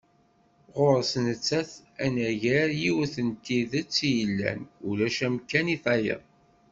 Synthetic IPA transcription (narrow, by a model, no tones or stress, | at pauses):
ʁoɾsnət͡sːæθ | ænæʝæɾjiwəθənt̪iðæt͡sːijəlːæ̰nulæʃæmkæniθɑjə̰ðˤ